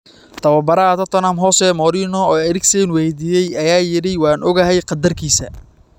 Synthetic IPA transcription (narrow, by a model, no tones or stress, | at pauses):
t̪ʰɐwɐbɐɾaːd̪ɐt̪ʰɔnaːmɦɔːsɛːmɔːɾiːnɔɔːɐɾɪɡsɛnwɛjd̪iːjɛjɐjaːjɪɽɪwɑːnʔɔɣɐɦɛjqɑd̪ɐrkʰiːsɐ